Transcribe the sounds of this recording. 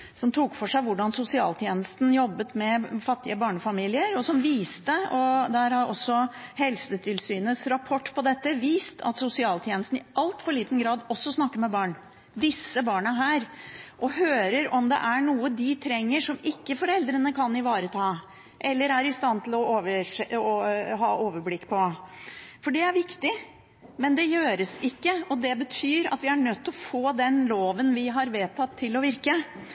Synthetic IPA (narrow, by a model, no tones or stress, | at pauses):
sɔmt̪ʰuːkfɔʂæɪʋʊɖɑnsʊsɪɑ̰ːlt̪ʰjeːnəst̪n̩jɔbːət̪mɛfɑt̪ːɪəbɑːɳəfɑmiːlɪəɾɔsɔmʋiːst̪əɔd̪æɾhɑɾʔɔsːɔhɛlsət̪ʰɪlsyːnəsɾɑpʰɔʈːpʰɔd̪ɛt̪ːəʋiːst̪ʰɑ̰t̪sʊsɪɑːlt̪ʰjeːnəst̪n̩ɪʔɑlt̪fɔɭiːt̪ən̩ɡɾɑːd̪ɔsːɔsnɑkːəɾmɛbɑːɳ | d̪ɪsːəbɑːɳəɦæːɾʔɔɦøːɾəɾɔmd̪ɛ̰ʔæɳuːəd̪ɪt̪ʰɾɛŋːəʂɔmɪkːəfɔɾɛld̪ɾənəkʰɑnːɪʋɑːɾət̪ʰɑː | ʔɛlːəɾæɾɪst̪ɑnt̪ʰɪlɔoːʋə | ɦɑ̰ːʔoːʋəɾblɪkːpʰɔ | fɔɖɛæɾʋɪkt̪ɪ | mɛnd̪ɛjøːɾəsɪkːəɔd̪ɛbət̪ʰyːɾɑ̰t̪ʋɪæɳœt̪ːɔfoːd̪ɛnloːʋənʋɪɦɑɾʋeːt̪ʰɑt̪ʰːɪlɔʋɪɾkə